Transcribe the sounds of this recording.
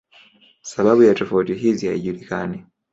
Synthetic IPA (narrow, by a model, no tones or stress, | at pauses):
saβaβujatofotiɦizija̰ḭɟuɾikani